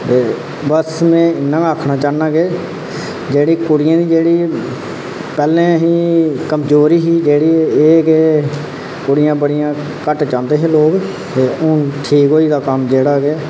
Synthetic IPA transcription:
t̪eː | bəsmɛ̃ːɪnːãːəkʰnaːt͡ʃaːnãːɡeː | d͡ʒeːɽiːkʊɽɪjãːd̪iːd͡ʒeːɽiː | pɛːlẽːɦiːkəmd͡ʒoːɾiːɦiːd͡ʒeːɽiːeːkeː | kʊɽɪjãːbəɽɪjãː | kəʈt͡ʃãːnd̪eːɦẽːloːɡ | t̪eːʊʈʰiːkɦoːiːd̪aːkəmd͡ʒeːɽaːkeː

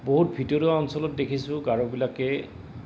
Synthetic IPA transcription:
boɦut̚bʱidoɹiaɔnsɔlɔt̚dekʰisʊ̃ɡaɹɔbilakɛ

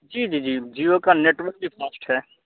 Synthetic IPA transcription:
d͡ʒiːd͡ʒiːd͡ʒiːd͡ʒiːokaːneːʈʋəɾk̚d̪iːpʰasʈɦɛː

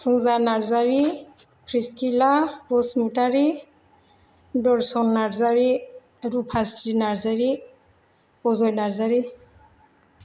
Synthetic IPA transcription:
suŋzanaɹzaɹi | kʰɹiskilapɔsmutaɹi | dɔɹsɔnːaɹzaɹi | ɹupʰasɹinaɹzaɹi | pɔzɔjnaɹzaɹi

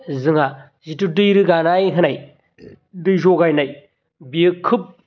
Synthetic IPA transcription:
zɯŋa | zitudɯjɾɯɡanajɦɯnaj | dɯjzoɡajnaj | biɯkʰɯp̚

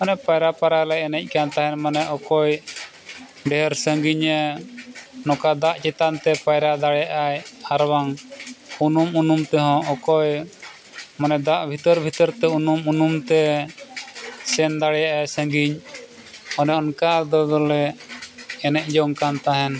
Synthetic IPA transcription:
ɔnɛpajɾapaɾajlajɛnɛc̚ˀkant̪aɦɛnmanɛʔɔkɔj | ɖɛɦɛɾsəŋɡiɲə | nɔkad̪aʔt͡ʃɛt̪ant̪ɛpajɾad̪aɽɛjaʔajaɾwaŋunumunumt̪ɛɦɔ̃ɔkɔj | manɛd̪aʔbʱit̪əɾbʱit̪əɾt̪ɛunumunumt̪ɛ | sɛnd̪aɽɛjaʔajsə̃ŋɡiɲ | ɔnɛɔnkad̪ɔd̪ɔlɛː | nɛc̚ˀd͡ʒɔŋkant̪aɦɛn

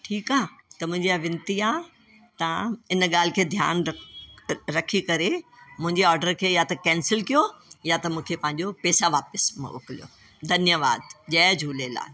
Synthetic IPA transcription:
ʈʰiːkaːt̪ɐmʊ̃ɦɪ̃ɲd͡ʑiaʋɪ̃nt̪iãː | t̪ɐãɪnɠaːl̤ɪkʰeːd̪ʱja̰ːn | ɾɐkʰikɐɾemʊ̃ɦɪ̃ɲd͡ʑeɔːɾɖəɾkʰeːjat̪ɐkɛ̃ːnsɪlkijojat̪ɐmũːkʰepɐ̃ɦɪ̃ɲ̆d͡ʑopeːsaʋaːpəsm̰̃ʊ̰kɪlḭjo̰ | d̪ʱɐnjəʋa̰ːd̪ʄɛːd͡ʑʱuːlela̰ː

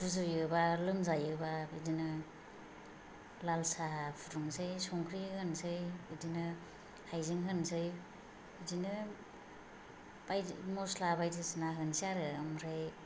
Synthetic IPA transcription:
duzɯjɯbalɯmzajɯbabɯdinɯ | lalsapʰuɾuŋsɯjsɔŋkʰɾihɯnsɯjbɯdinɯ | hajziŋɦɯnsɯj | idinɯ | bajmɔslabajdɯsinaɦɯnsiaɾɯamɾaj

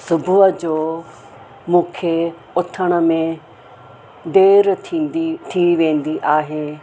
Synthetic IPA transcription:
sʊbʱʊəd͡ʑoː | mũːkʰe | ʊt̪ʰəɽ̃ə̆mẽ | d̪eːɾʰiit̪ʰiʋẽːn̆d̪iʔaːɦeː

